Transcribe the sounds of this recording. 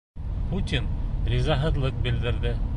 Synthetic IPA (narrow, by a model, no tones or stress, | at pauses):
put̪ʲinɾʲizɑɦɤ̆ðlˠɤq̚bɘ̆ld̪ɘ̆ɾðɘ